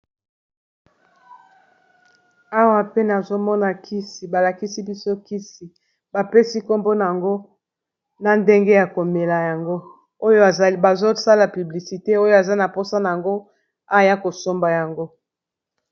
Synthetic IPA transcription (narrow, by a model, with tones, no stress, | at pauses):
a˦wa˨pe˦na˨zo˦mɔ˦na˨kʰi˦si˨ba˨la˨ki˦si˦bi˦so˦ki˦si˨ | ba˨pe˦si˦ko˦mbo˦na˨a˨ŋɡo˦ | na˨nde˦ŋɡe˦ja˨ko˨me˨la˨ja˨ŋɡo˦ | o˦jba˨zo˦sa˦la˨py˨bli˨si˨te˦o˦jo˦a˨za˦na˨po˦sa˦na˨a˨ŋɡo˦ | a˦˨ja˦ko˨so˦mba˨ja˨ŋɡo˦